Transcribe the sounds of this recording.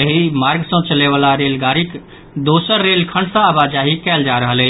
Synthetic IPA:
əɦimaɾɡsə̃t͡ʃəleβalaɾelɡaɾik | d̪osəɾːelkʰəɳɖsə̃aβad͡ʒaɦikɛld͡ʒaɾəɦəlɛ

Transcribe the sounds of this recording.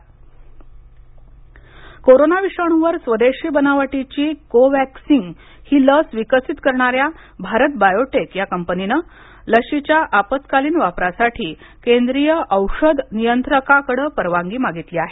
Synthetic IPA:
koɾonaʋiʂəɳ̃uʋəɾsʋəd̪eʂiːbənaʋəʈit͡ɕiːkoʋæksiŋɡ | hiːləsʋikəsit̪kəɾɳaɾja | bʱaɾət̪̚bajoʈekjakəmpəninə | ləɕit͡ɕjaʔapət̪kaliːnʋapɾasaʈʰiː | kend̪ɾijəʔəwʂəd̪nijənt̪ɾəkakəɽəpəɾʋaŋɡiːmaɡit̪liːaɦe

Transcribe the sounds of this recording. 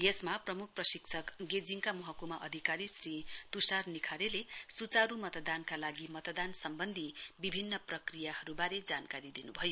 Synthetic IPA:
jesmaprʌmuk̚ʰprʌsikt͡sʰʌkɡed͡ziŋkamʌɦʌkumaʔʌd̪ʱikaɾisrit̪usarnikʰaɾelesut͡saɾumʌt̪d̪ankalaɡimʌt̪d̪ansʌmbʌnd̪ʱibibʱinːʌprʌkrijahʌɾubaɾed͡zankaɾid̪inubʱʌjo

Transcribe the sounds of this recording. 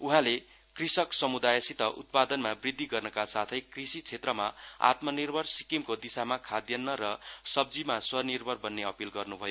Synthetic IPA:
uɦãle | krisʌksʌmud̪ajʌsit̪ʌʔṵt̪̚pad̪ʌnmabrid̪ʱːiɡʌrnʌkasat̪ʰʌjkrisit͡sʰet̪rʌma̰a̰t̪mʌnirbʱʌrsikimkod̪isamakʰad̪jʌnːʌɾʌsʌb̚d͡zimaswʌnirbʱʌrbʌnːeʌpilɡʌrnubʱʌjo

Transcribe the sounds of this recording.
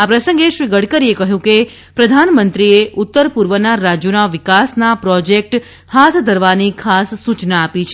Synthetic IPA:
apɾəsə̃ŋɡeʃʋiɡəɽkəɾiekəɦjũke | pɾəd̪ʱanmənt̪ɾieʔʊt̪ːəɾpuɾʋənaɾad͡ʒjunaʋɪkasnapɾɔd͡ʒek̚ʈ | hat̪ʰd̪ʱəɾʋanikʰasːut͡ʃnaːpit͡ʃʰe

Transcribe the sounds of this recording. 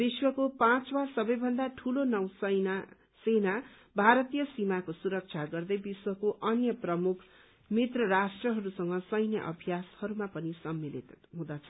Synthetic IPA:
biswʌkopãt͡swarsʌbʌjbʱʌnd̪aʈʰulonʌw̃sʌjna | sena | bʱaɾʌt̪ijʌsimakosuɾʌk̚t͡sʰaɡʌrd̪ʌjbiswʌkoʔʌnjʌprʌmukʰ | mit̪rʌɾasʈrʌɦʌɾusʌŋɡʌsʌjnjʌ̰ʔʌ̰bʱijashʌɾumapʌnisʌmːilḭt̪ɦũd̪at͡sʰʌ

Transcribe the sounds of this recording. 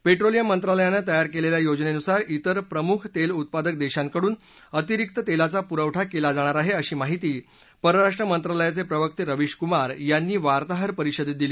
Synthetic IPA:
peʈɾolijamənt̪ɾaləjanːət̪əjaɾkeleljajod͡znenusaɾit̪əɾpɾəmukʰt̪elut̪̚pad̪ək̚d̪eɕãŋkəɽuːn | ət̪iɾik̚t̪ət̪elat͡sapuɾəʋʈʰakelad͡zaɽ̃aɾaɦeəɕiːmaɦit̪iː | pəɾəɾaʂʈɾəmənt̪ɾaləjat͡sepɾəʋək̚t̪iɾəʋiɕkumaɾjanːiːʋaɾt̪aɦəɾpəɾiɕəd̪it̪̚d̪iliː

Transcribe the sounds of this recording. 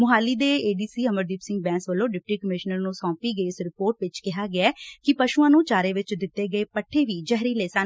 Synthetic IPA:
mʊɦaːliːd̪eːeːɖiːsiːəməɾd̪iːpsɪ̃ŋɡ̚bɛ̃ːnsʋəlõːɖɪp̚ʈiːkəmɪʃnəɾnũːsɔ̃ːpiːɡəiːɪsɾɪpoːɾʈʋɪt͡ʃkɪɦaːɡɪaːkɪpəʃuːãːnũːt͡ʃaːɾeːʋɪt͡ʃd̪ɪt̪ːeːɡəeːpəʈʰːeːʋiːd͡ʒɛɦɾiːleːsaː

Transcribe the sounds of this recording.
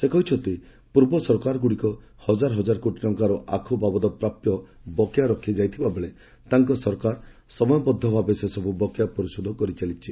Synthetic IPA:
sekɔɦit͡ʃʰɔt̪i | puɾbɔsɔɾɔkaɾɔɡuɽikɔ | hɔd͡ʒaɾɔɦɔd͡ʒaɾɔkoʈilɔŋkaɾɔʔakʰubabɔd̪ɔpɾapjɔ | bɔkjaɾɔkʰid͡ʒajt̪ʰibabeɭe | t̪aŋkɔsɔɾɔkaɾ | sɔmɔjɔpɔd̪ʱːɔbʱabesesɔbubɔkjapɔɾisɔd̪ʱɔkɔɾit͡ʃalit͡ʃʰi

